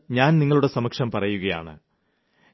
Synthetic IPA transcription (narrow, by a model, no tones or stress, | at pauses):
ɲaːnniŋːɐɭuɽe̞sɐmɐkʂɐmpɐrɐjuɣɐja̰ːɳɨ̰